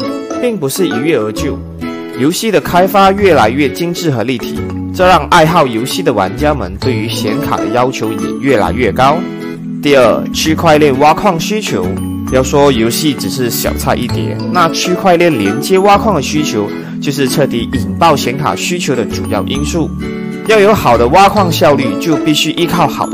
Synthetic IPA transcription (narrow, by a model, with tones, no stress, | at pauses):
pi˥˩ŋpu˧˥ʂɻ̩˥˩i˨˩ɥɛ˥˩ə˧˥t͡ɕjo˥˩ʊ | jo˧˥ʊɕi˥˩d̪ə˩kʰa˥ɪfa˥ɥɛ˥˩la˧˥ɪɥɛ˥˩t͡ɕi˥ŋʈ͡ʂɻ̩˥˩xɤ˧˥li˥˩t̪ʰḭ˨˩˦ | ʈ͡ʂɤ˥˧ɻɑ˥˧ŋʔa˥˧ɪxɑ˥˩ʊjo˧˥ʊɕi˥˩d̪ə˩wa̰˧˥nt͡ɕja˥mə̰˧˥nt̪we˥˩ɪy˧˥ɕjɛ˧˥nkʰa̰˨˩d̪ə˦jɑ˥ʊt͡ɕʰjo˧˥ʊjɛ̰˨˩ɥɛ˥˩la̰˧˥ɪɥɛ˥˩kɑ˥ʊ | t̪i˥˧ə˥˩t͡ɕʰy˥kʰwa˥˧ɪljɛ˥˩nwa˥kʰwɑ˥˩ŋɕy˥t͡ɕʰjo˧˥ʊ˧ | jɑ˥˩ʊʂwɔ˥jo˧˥ʊɕi˥˩ʈ͡ʂɻ̩˨˩ʂɻ̩˥˩ɕjɑ̰˨˩ʊt͡sʰa˥˧ʔi˥˩t̪jɛ̰˨˩˦nna˥˩t͡ɕʰy˥kʰwa˥˧ɪljɛ˥˩nljɛ˧˥nt͡ɕjɛ˥wa˥kʰwɑ˥˩ŋd̪ə˨˩ɕy˥t͡ɕʰjo˧˥ʊ | t͡ɕjo˥˧ʊʂ̬ɻ̩˥˧ʈ͡ʂʰɤ˥˩t̪i˧˥ʔi˨˩ŋt̪ɑ˥˩ʊɕjɛ˧˥nkʰa̰˨˩ɕy˥t͡ɕʰjo˧˥ʊd̪ə˨ʈ͡ʂṵ˨˩˦jɑ̰˥˩ʊʔi˥nsu˥˩ | jɑ˥˩ʊjo˧˥ʊxɑ˨˩ʊd̪ə˦wa˥kʰwɑ˥˧ŋɕjɑ˥˧ʊly˥˧t͡ɕjo˥˧ʊpi˥˩ɕy˥ʔi˥kʰɑ˥˩ʊxɑ˨˩ʊd